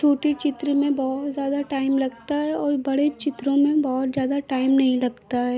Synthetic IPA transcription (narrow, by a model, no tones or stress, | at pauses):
t͡ʃʰoːʈit͡ʃɪt̪ɾəmẽbɔɦt̪zjaːd̪aʈaːɪmlɐɡt̪aɦɛɔːɾbɐɽet͡ʃɪt̪ɾõmẽbɔːʊt̪zjaːd̪aʈaːɪmnɐɦĩlɐɡt̪aɦɛː